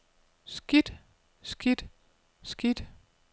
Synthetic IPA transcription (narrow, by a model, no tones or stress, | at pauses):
sɡ̥id̥ | sɡ̥id̥ | sɡ̥id̥